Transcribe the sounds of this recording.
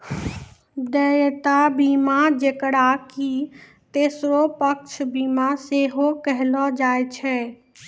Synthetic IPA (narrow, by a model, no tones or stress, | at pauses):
d̪əjt̪abimad͡ʒekɽaki | t̪esɾopək̚t͡ʃʰbimaseɦokəɦlɔd͡ʒajt͡ʃʰɛ